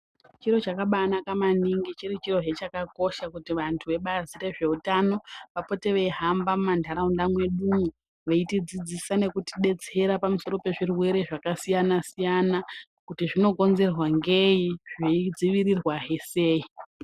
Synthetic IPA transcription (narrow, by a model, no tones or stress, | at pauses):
t͡ʃiro̞t͡ʃakaɓanakamaniŋɡit͡ʃiɾit͡ʃiro̞ɦet͡ʃakako̞ʃakutiʋantʰuʋe̞ɓazire̞ʐe̞utano̞ʋapo̞te̞ʋeiɦambamumandʱaɾaundamwe̞ɗumu | ʋeitid͡zid͡zisane̞kutiɗe̞t͡se̞ɾapamuso̞ɾo̞pe̞ʐirwe̞ɾe̞ʐakasijanasijana | kutiʐino̞ɡʱo̞nze̞rwaŋɡe̞jiʐeid͡ziʋirirwaɦese̞ːi